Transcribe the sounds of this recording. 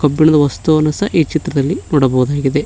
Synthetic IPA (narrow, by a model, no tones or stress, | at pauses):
kɐbːiɳɐd̪ɐʋɐst̪unɐsɐʔiːt͡ʃit̪ɾɐd̪ɐlːinɔːɽɐbɐʋɐd̪aːɡid̪e̞